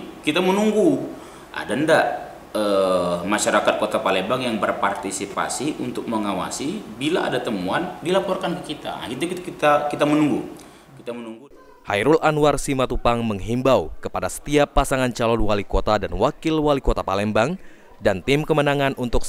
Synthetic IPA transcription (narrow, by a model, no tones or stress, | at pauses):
kit̪amənuŋɡu | ʔa̰danda | əmaʃaɾakat̪̚kot̪apalɛmbaŋjaŋbərpart̪isipa̰siʔunt̪ʊk̚məŋawa̰sibilaʔa̰dat̪əmuandilapɔrkankəkit̪a̰ɡit̪̬ukit̪kit̪akit̪amənuŋɡu | kit̪amənuŋɡu | ha̰jɾulʔanwarsimat̪upaŋməŋɦimbawkəpadasə̥t̪iapːasaŋant͡ʃalɔnwalikot̪adanwakɪlwalikot̪apalɛmbaŋ | dant̪ɪmkəmənaŋanunt̪ʊks